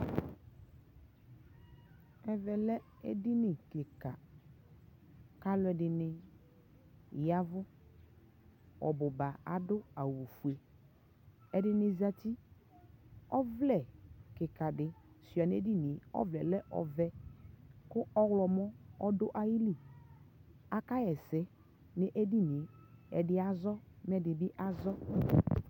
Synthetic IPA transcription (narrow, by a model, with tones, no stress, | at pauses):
ɛ˨vɛ˨lɛ˦ | ḛ˦dɪ˦nɪ˨kɪ˨ka˨ | ka˦lʊ˦ɛ˨ɖɪ˨nɪ˨ | ja˦vʊ˦ | ɔ̰˨bʊ˨ba˨a̰˨dʊ˦a˨wu˨fu˨e˨ | ɛ˦dɪ˦nɪ˨za˦t̪i˦ | ɔ˦vlɛ˨kɪ˨ka˨dɪ˨ | si˨a˨n˦e˦di˦˨ni˨e˨ɔ̰˦vlɛ˨lɛ˦ʔɔ̰˨vɛ˦ | kʊ˦ʔɔ˦wlɔ˨mɔ˦ɔ˦dʊ˦ʔa˦ji˦li˨ | a˨ka˦jɛ˨sɛ˦ | nɪ˨ʔe˦di˦ni˨e˨ | ɛ̰˨dɪ˦a˨zɔ˦m˦ɛ˦dɪ˨bɪ˦ʔa˦zɔ˦